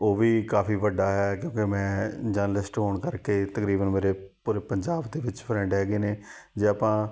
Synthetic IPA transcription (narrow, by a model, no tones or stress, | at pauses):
oːʋiːkaːpʰiːʋəɖaːɦɛːkjõːkemɛ̃ːd͡ʒəɾnəlɪsʈɦoːɳkəɾkeːt̪əkɾiːbənmeːɾeːpuːɾeːpəɲd͡ʒaːbd̪eːʋɪt͡ʃpʰɾɛ̃ːɳɖɦɛːɡeːneːd͡ʒeːaːpãː